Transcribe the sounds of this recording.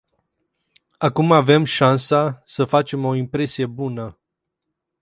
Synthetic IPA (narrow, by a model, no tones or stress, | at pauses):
akumave̞mʃansasəfat͡ʃe̞mo̞impɾe̞sije̞bunə